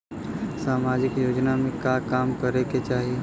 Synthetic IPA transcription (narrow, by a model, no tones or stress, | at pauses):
saːmaːd͡ʒɪkjoːd͡ʒnamẽkakaːmkɐɾeket͡ʃaːɦie